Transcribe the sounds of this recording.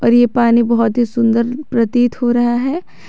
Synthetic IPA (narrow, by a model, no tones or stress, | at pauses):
ɔːɾjepaːnibɐɦɔt̪ɦisʊ̃nd̪əɾpɾɐt̪iːt̪hoɾɐɦaɦɛː